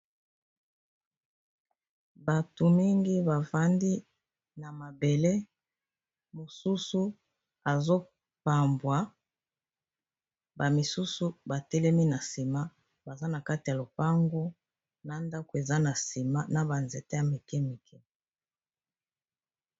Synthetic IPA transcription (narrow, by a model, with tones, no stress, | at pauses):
ba˨to˨mi˦ŋɡi˦ba˨va˦ndi˦ | na˨ma˨be˨le˦ | mo˨su˦su˦ | a˨zo˦ | pa˨mbwa˨ | ba˨mi˨su˦su˦ba˨tɛ˦lɛ˦mi˦na˨si˨ma˦ | ba˨za˦na˨ka˦ti˨ja˨lo˨pa˦ŋɡo˦ | na˨nda˦ko˨e˨za˦na˨si˨ma˦na˨ba˨nze˨te˦a˨me˨kɛ˦mi˨kʰɛ˦